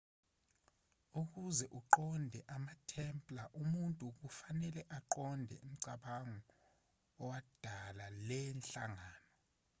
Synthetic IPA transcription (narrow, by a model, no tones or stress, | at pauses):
uk̬uzɛʔuǃɔndʱɛʔamatʰɛmpʼlaʔumuntʼuk̬ufanɛlɛʔaǃɔndʱɛ̰ʔim̩ǀaɓaŋɔ | ɔwad̥ʱalalɛnɬa̰ŋaːnɔ